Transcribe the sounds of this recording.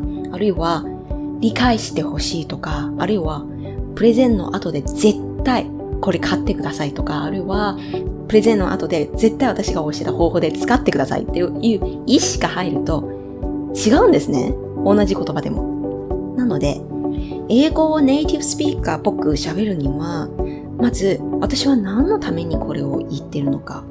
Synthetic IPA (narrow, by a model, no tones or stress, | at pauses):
aɾɯ̟iβa | ɾʲikaiɕi̥t̪e̞ho̞ɕiːt̪o̞kaːɾɯ̟iβa | pɯ̟ɾe̞zẽ̞nːo̞̰ʔat̪o̞d̪e̞z̥e̞t̪ːai | ko̞ɾe̞kʰat̪ːe̞kɯ̟d̪asait̪o̞kaːɾɯ̟iβa | pɯ̟ɾe̞zẽ̞nːo̞̰ʔa̰t̪o̞d̪e̞ze̞t̪ːaiβat̪aɕiɡaoɕi̥tet̪aho̞ːho̞ːd̪e̞t͡sɨ̥kat̪ːe̞kɯ̟d̪asa̰ḭt̪ːe̞jɯjɯ̟ːiɕi̥ɡahaiɾɯ̟t̪o̞ | t͡ɕiɡaɯ̟̃nd̪e̞sɨne̞̰ | o̞nːaʑiko̞t̪o̞bad̪e̞mo̞̰nano̞d̪e̞ | e̞ːɡo̞ːne̞it̪ʲibɯ̟̥sɨ̥pʲiːkaːpo̞kɯ̟ɕabe̞ɾɯ̟ɲ̟iβa | mazɨβat̪aɕiβanãnːo̞t̪ʰame̞ɲ̟ikʰo̞ɾe̞o̞it̪ːe̞ɾɯ̟no̞ka̰